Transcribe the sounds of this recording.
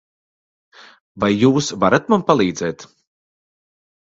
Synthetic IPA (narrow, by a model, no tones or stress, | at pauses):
vajːuːsvaɾat̪mampalˠiːd̪zɛːt̪